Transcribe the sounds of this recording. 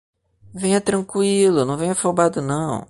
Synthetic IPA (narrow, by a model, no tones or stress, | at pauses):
vẽj̃ɐt̪ɾɐ̃kwilʊnɐ̃w̃vẽɲ̃ɐfowbad̪ʊnɐ̃w̃